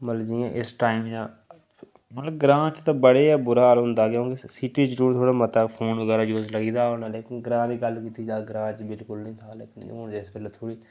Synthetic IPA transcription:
mət̪ləbd͡ʒiːãːʔɪsʈaːɪmjaː | mət̪ləbɡɾãːt͡ʃt̪ãːbəɽeːaːbʊɾaːlɦʊnd̪aːkjõːkisiːʈiːt͡ʃd͡ʒuːt̪ʰoːɽaːmət̪aːpʰoːnʋəɡɛːɾaːd͡ʒoːzləɡiːd̪aːʊnaːleːkɪnɡɾãːdiːɡəlkiːt̪iːd͡ʒaːɡɾãːt͡ʃbɪlkʊlnĩːt̪ʰaːleːkɪno̰ːnd͡ʒɪsbelat̪ʰoːɽiː

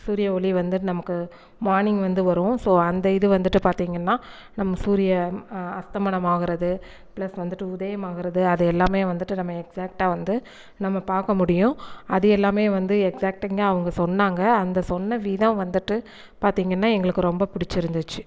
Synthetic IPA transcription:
suːɾɪjɐɔɭiʋɐnd̪ɯʈːɯnɐmɐkːɯ | maːɾnɪŋɡʋɐnd̪ɯʋɐɾʊ̃soːɐnd̪ɐɪðɯʋɐnd̪ɯʈːɯpaːɾt̪iːŋɡɐnːaː | nɐmːɐsuːɾɪjɐɐst̪ɐmɐɳɐmaːɣɪɾɐðɯ | pɪɭɐsʋɐnd̪ɯʈːɯʊðɐjɐmaːɣɪɾɐðɯɐðɯɛlːaːmeːʋɐnd̪ɯʈːɯnɐmːɐɛksaːk̚ʈaːʋɐnd̪ɯ | nɐmːɐpaːɾkɐmʊɽɪjʊ̃ɐðɯɛlːaːmeːʋɐnd̪ɯɛksaːk̚ʈɛŋɡɐːʋɐŋɡɐsɔnːaːŋɡɐːnd̪ɐsɔnːɐʋiːðɐ̃ʋɐnd̪ɯʈːɯ | paːɾt̪iːŋɡɐnːaːɛŋɡɐɭɯkːɯɾɔmbɐpɪɽɪt͡ʃːɪɾɯnd̪ɯt͡ʃːɯ

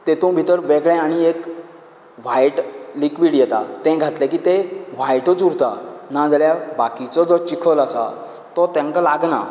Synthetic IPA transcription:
t̪et̪ũbʱit̪əɾbeɡɭɛ̃aɽ̃iek | ʋ̤ajʈlikʋiːɽjɛt̪a̰t̪ɛ̃ɡʱat̪lakiːt̪eʋ̤ajʈot͡suɾt̪anad͡zəljabakit͡sɔd͡zɔt͡ɕikʰəlasa̰ | t̪ɔt̪ãŋkalaɡna̰

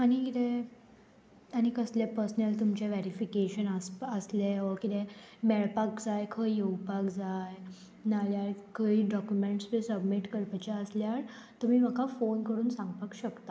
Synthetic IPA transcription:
aɽ̃ikit̪ɛ | aɽ̃ikəslepəɾsnəlt̪umt͡ɕeʋeɾifikeɕənaəsleɔkit̪ɛ̃ | mɛɭpakd͡zajkʰəjewpakd͡zaj | naljaɾkʰəiɖɔkjumeɳʈsbesəbmiʈkəɾpət͡ɕaəsljaɾ | t̪um̤iːm̤əkafonkəɾuːnsãŋɡpakɕəkt̪a

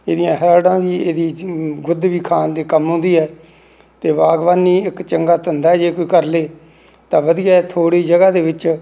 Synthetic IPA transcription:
eːd̪ɪjãːɦəɾaːɽãːʋiːeːd̪iːɡʊd̪ʋiːkʰaːnd̪eːkəmɦʊ̃ːnd̪iːɦɛː | t̪eːʋaːɡʋaːniːɪkt͡ʃəŋɡaːt̪ənd̪aːɛːd͡ʒeːkoiːkəɾleː | t̪ãːʋəd̪ɪjaːɛːt̪ʰoːɽiːd͡ʒəɡaːd̪eːʋɪt͡ʃ

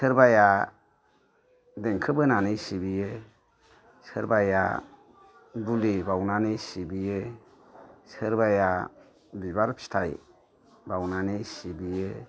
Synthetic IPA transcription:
sɯɾbaja | deŋkʰɯbɯnanɯjsibije | sɯɾbaja̰ | bulibawnanɯjsibije | sɯɾbaja | bibaɾpʰi̥stʰaj | bawnanejsibije

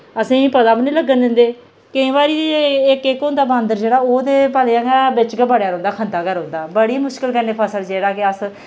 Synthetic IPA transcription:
əsĩːpəd̪aːpnĩːləɡːənd̪ɪnd̪eː | kɪĩːbaːɾiːeɪkɪkɦʊ̃nd̪aːbãːnd̪əɾd͡ʒeːɽaːoːt̪eːpəleãːɡaːbɪt͡ʃɡəbəɽjaːɾõːnd̪aːkʰənd̪aːkəɾõʊ̃ːnd̪aːbəɽiːmʊʃkɪlkəneːpʰəsəld͡ʒeːɽaːkɪəs

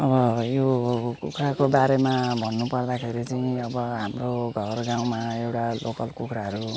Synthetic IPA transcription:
ʌbʌjokukʰɾakobaɾemabʱʌnːupʌrd̪akʰeɾit͡sʌĩʌbʌɦamroɡʱʌrɡaw̃maewʈalʔokʌlkukʰɾaɦʌɾu

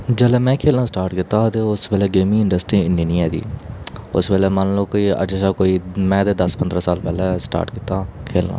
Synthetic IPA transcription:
d͡ʒəːlɛːmɛ̃ːkʰeːlnaːsʈaːɾʈkɪt̪ːaːt̪eːʊsbɛːlɛːɡeːmɪ̃ŋɪ̃ɳɖəsʈɾiːɪɳɖiːnĩːɛːd̪ḭːʊsbɛːlɛːmənloːkɪə̰d͡ʒeːʃaːkoːiːmɛ̃ːd̪eːd̪əspənd̪ɾãːsaːlpɛːlɛːsʈa̰ːɾʈkɪt̪ːaːkʰeːlna̰ː

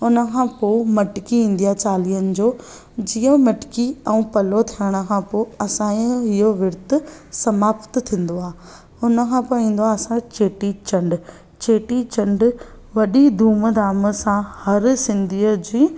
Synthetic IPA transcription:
ʊnə̆kʰãːpoːmɐʈɪkiĩn̆d̪ijat͡ɕaːliːənɪ̆d͡ʑoː | d͡ʑiːõmɐʈɪ̥kiɛ̃ũpɐlot̪ʰiəɽ̃ə̆kʰãpoːɐsãːɦɪɦoʋɪɾt̪ʊ̆sɐmaːpt̪t̪ʰĩːn̆d̪oaː | ʊnə̆kʰãːpoːĩːn̆d̪oaːɐsãt͡ɕeːʈit͡ɕɐ̃ɳɖ | t͡ɕeːʈit͡ɕɐ̃ɳɖ | ʋɐɗid̪ʱuːməd̪aːmə̆sãhɐɾsɪ̃nd̪ʱiːəd͡ʑĩː

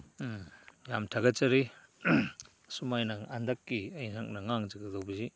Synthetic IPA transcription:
jamtʰaɡɐt͡ʃɐɾi | sumajnɐandɐkːiɐjnak̚nɐŋaŋziɡɐdawbizi

